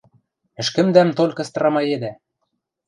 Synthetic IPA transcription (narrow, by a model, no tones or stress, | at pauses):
ɘ̆ʃkɘ̆md̪æmt̪olʲkɤ̆st̪ɤ̆ɾɑmɑed̪æ